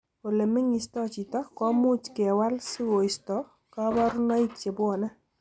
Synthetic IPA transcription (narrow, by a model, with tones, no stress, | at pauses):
po˨le˨mːɪ˦ŋɪ˨stɔ˦˨t͡ʃi˨tɔ˦kɔ˦mʊ˦t͡ʃkɪ˨ɛ˨wa˦lsɪ˦wo˨ɪ˨stɔ˨˦ | ka˦ba˦ɾʊ˦nɔ˦i˦t͡ʃe˨bʊ˦ɔ˨na˦